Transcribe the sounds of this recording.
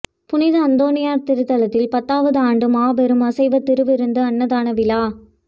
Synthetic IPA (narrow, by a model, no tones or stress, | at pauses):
pʊnɪðɐɐnd̪oːnɪjaːɾt̪ɪɾɯt̪ːɐlɐt̪ːɪlpɐt̪ːaːʋɐðɯaːɳɖɯmaːbɛɾɯmɐsɐɪʋɐt̪ːɪɾɯʋɪɾɯnd̪ɯɐnːɐðaːnɐʋɪlaː